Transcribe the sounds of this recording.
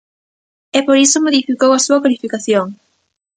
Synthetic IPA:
ɛpoɾisomoðifikowasuɐkalifikaθjoŋ

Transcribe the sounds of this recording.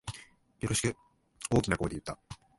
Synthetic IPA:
joɾoɕi̥kɯ̟ | o̞ːkʲinakokːod̪ejɯ̟t̪ːa

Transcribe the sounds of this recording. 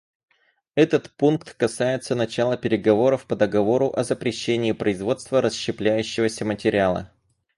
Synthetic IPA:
ɛt̪ət̪punkt̪kɐsajɪt̪sənɐt͡ɕalˠəpʲɪɾʲɪɡɐvo̞ɾəfpəd̪əɡɐvo̞ɾʊʔɐzəpɾʲɪɕːenʲɪːpɾəɪzvo̞t̪st̪vəɾəsɕːɪplʲæjʉɕːɪvəsʲəmətʲɪɾʲalˠə̰

